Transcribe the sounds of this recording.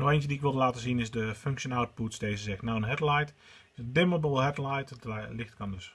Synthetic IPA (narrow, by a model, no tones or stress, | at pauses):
nɔxeːntjədiɪkʋɪlˠdəlaːtəzinɪzdəføŋkʃjənawt̚putsdejzəzɛxtnawənɦɛtlajt | ɪsəndɪməbəlˠɦɛtlajttlɪxtkɑmdøs